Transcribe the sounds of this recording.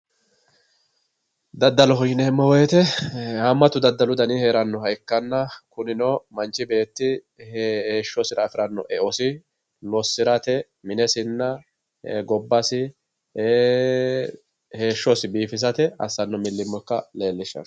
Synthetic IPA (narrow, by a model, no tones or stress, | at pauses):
d̪ɐd̪ːɐlɔɦɔjɪnɛɛmːɔwɔjɛt̪ɛamːɐt̪ʊd̪ɐd̪ːɐlʊd̪ɐnɪheːɾɐnːɔhɐjkːɐnːɐkʊnɪnɔmɐnt͡ʃːɪbe̞ːt̪ːɪ | heːʃːɔsɪɾɐːfɪɾɐnːɔ̰ʔɛʔɔsɪ | lɔsːɪɾɐt̪ɛ | mɪnɛsɪnːɐ | ɡɔbːɐsɪ | heːʃːɔsɪbiːfɪs̬ɐt̪ɛɐ̰sːɐnːɔmɪlːɪmːɔkːɐle̞ːlːɪʃːɐ̰